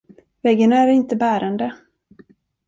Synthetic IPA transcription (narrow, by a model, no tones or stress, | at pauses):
vɛɡːənaæɾɪnt̪əbæːɾand̪ə